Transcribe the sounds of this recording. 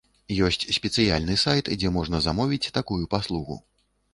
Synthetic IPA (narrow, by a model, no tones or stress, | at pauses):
jɔsʲt͡sʲsʲpʲɛt̪sɨjalʲnɨsajt̪d͡zʲɛmɔʐnɐzamɔvʲit͡sʲt̪akujupaslˠuɣṵ